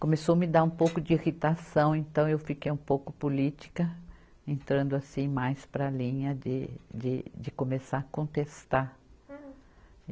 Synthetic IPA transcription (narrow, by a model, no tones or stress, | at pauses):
kõmesomɪd̪aɾũpowkʊd͡ʒɪiʁit̪asɐ̃w̃ẽnt̪ɐ̃w̃ewfikejũpowkʊpolit͡ʃi̥kɐ | ẽnt̪ɾɐ̃nd̪ʊasĩmajspɾɐlĩɲɐd͡ʒ̪ɪd͡ʒɪd͡ʒɪkomesakõnt̪est̪a